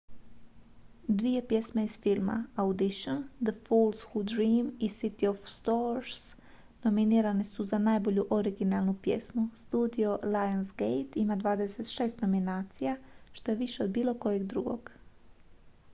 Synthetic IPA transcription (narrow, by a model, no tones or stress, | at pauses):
d̪ʋije̞pje̞smeiz̥filˠma̰awd̪iʃond̪əfulˠsxud̪ɾiːmisit̪iofst̪oɾs | no̞miniːɾane̞suzanaːjbo̞ʎuʔoɾiɡinalˠnupje̞̰smust̪uːd̪io̞lajonsɡejt̪imad̪ʋaːd̪eset̪ʃe̞ːst̪no̞minaːt̪sijaʃt̪o̞je̞ʋiʃe̞o̞d̪̚biːlo̞ko̞jeɡd̪ɾṵɡo̞̰ɡ